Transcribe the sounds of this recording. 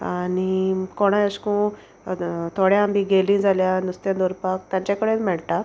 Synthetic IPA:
anikoɽ̃ajəskũ | t̪ʰoɽjaambʱĩɡelĩd͡zʱaljanust̪jãd̪oɾpak̚t̪jãɲt͡ɕakəɽenmɛɭʈ̪a

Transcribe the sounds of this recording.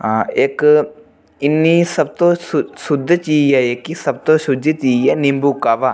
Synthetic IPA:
ɦãːɪk | ɪnːiːsəb̚t̪õːsʊsʊd̪t͡ʃiːd͡ʒɛːekisəb̚t̪õːsʊd͡ʒ̪it͡ʃiːd͡ʒɛːnɪmbuːkaːʋaː

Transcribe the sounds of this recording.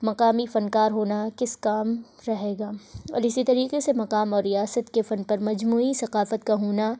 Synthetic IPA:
mɐqaːmifɐnkaːɾɦoːnakɪskaːm | ɾɐɦeːɡaːɔ̰ːɾɪsit̪ɐɾiːqesemɐqaːmɔːɾːijaːsət̪kefɐnpɐɾmɐd͡ʒmuːisɐqaːfət̪kaɦoːna

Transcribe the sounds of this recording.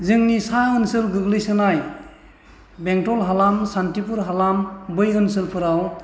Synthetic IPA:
zɯŋnisaɯnsɯlɡɯɡlɯjsɯnaj | beŋtɔlɦalamsantipuɾɦalambɯjɯnsɯlpʰɯɾaw

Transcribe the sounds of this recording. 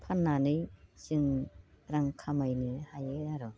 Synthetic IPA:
pʰanːanɯjsɯŋɾaŋkʰamajnɯhajɯaɾɔ

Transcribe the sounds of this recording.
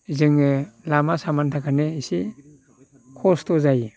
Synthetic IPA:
zɯŋɯlamasamantʰakʰaneisi | kʰɔstʰɔzaji

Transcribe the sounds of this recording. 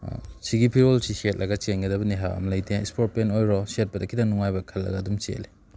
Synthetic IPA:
siɡipʰiɾolsiset̚lʔɐɡɐt͡ʃenɡɐdɐbɐniɦaɐ̰mɐlɐjtʰeispʰoɾt̚penojɾɔset̚pɐdɐkʰidɐnuŋajbɐkʰɐlːɐ̰ɡɐːdumt͡ʃḛle

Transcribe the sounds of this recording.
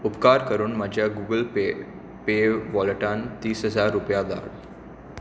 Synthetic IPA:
upkaɾkəɾuːnmad͡ʑʱjaɡuɡəlpe | peʋɔlʈant̪iːsɦəd͡zaɾːupjad̪a̰l

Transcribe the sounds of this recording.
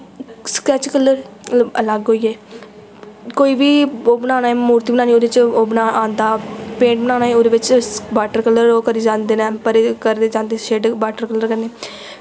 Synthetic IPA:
skɾɛːt͡ʃkəlːəɾ | ələɡɦoːiːeː | koːiːbiːoːbənaːnaːeːmuːɾt̪iːbənaːniːoːd̪eɪt͡ʃoːbənaːʔãːnd̪aːpẽːɳʈ̚bənaːnaːeːoːd̪eːʋɪt͡ʃbaːʈəɾkəlːəɾoːkəɾiːd͡ʒãːnd̪eːnaːpəɾekəɾd̪eːd͡ʒãːnd̪eʃeːɖbaːʈəɾkəlːəɾkəɾneː

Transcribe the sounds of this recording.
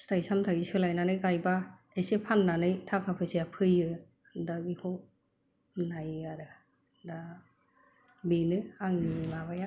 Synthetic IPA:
stʰajsamtʰaɡisɯlajnanɯjkajba | esepʰanːanɯjtʰapʰapʰɯseapʰɯjɯ | dabikʰo | najaɾɯ | da | binɯaŋnimaβaja

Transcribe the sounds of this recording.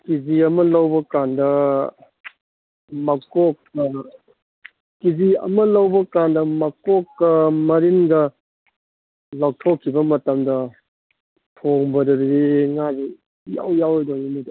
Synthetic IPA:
kiziɐmɐlɐwbɐkandɐ | mɐkɔk̚ːɐ | kiziɐ̰mɐlɐwbɐkandɐmɐkɔkːɐmɐɾinɡɐ | lawk̚tʰokʰːibɐmɐtamdɐ | pʰoŋbɐdɐɾidiŋazi | ja̰wjawjdoŋinidi

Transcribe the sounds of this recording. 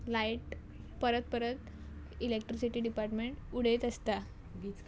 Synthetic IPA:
laiʈ | pəɾət̪̚pəɾət̪ | ilek̚ʈɾisiʈiːɖipaɾʈmeɳʈuɽ̤et̪əst̪a | ɡit͡s

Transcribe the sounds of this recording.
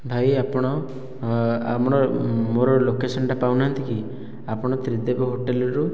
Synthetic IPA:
bʱajapɔɽ̃ɔ | a̰mɔɽ̃ɔmoɾɔlokesɔɳɖapawnant̪iki | apɔɽ̃ɔt̪ɾid̪ebɔɦoʈelɔɾu

